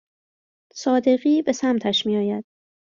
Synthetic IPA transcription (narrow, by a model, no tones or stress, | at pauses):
sɒːd̪e̞ɣiːbe̞sæmt̪ʰæʃmiːjɒːjæd̪̥